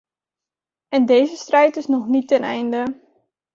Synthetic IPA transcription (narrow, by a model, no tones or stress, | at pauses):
ɛndeːzəstrɛjtɪsnɔχnitɛnɛ̰jndə